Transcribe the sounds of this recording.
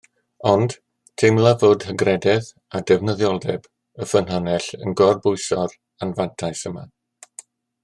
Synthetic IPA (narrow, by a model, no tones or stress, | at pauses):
ɔnd̥ | tʰɪmlˠavoːd̥həɡrɛdɛð | adɛvnəðjɔlˠdɛb | əfənɦɔnɛɬə̰nɡɔrbʊɨsɔr | anvantʰajsəma̰